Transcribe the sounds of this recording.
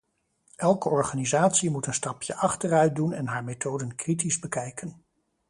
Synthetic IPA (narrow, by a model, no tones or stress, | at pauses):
ʔɛlˠkəɔɹχaːnizaːtsimutənstɑpjəʔɑχtərœɥ̚dunɛnɦaːɹmetʰowdənkritizbəkɛjkən